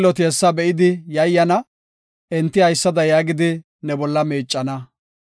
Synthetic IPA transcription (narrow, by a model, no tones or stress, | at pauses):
lɔt̪ɪɛsːɐbɛʔɪd̪ɪjɐjːɐnɐ | ʔɛnt̪ːɪhɐjsːɐd̪ɐjaːɡɪd̪ɪ | nɛbɔlːɐmeːt͡ʃʼːɐnɐ